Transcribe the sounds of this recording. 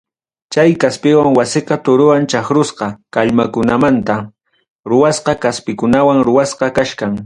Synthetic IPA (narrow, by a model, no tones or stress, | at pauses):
t͡ʃajkaspɪwaŋwasɪqɑt̪ʊɾʊwant͡ʃaχɾʊsqɑkaʎmakʊnamant̪a | ɾʊwasqɑkaspɪkʊnawaŋɾʊwasqɑkaʃkaŋ